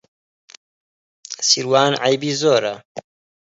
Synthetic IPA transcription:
siɾwaːnʕajbiːzoːɾɐ

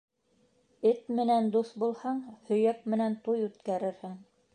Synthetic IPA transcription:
ɘt̪mɘ̆nænd̪uθbulˠhɑɴhɵ̆jæk̚mɘ̆nænt̪ujʉt̪kæɾɘ̆ɾhɘŋ

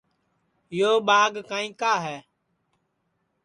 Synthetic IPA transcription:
joːɓaːɡkaːĩːkaːɦɛː

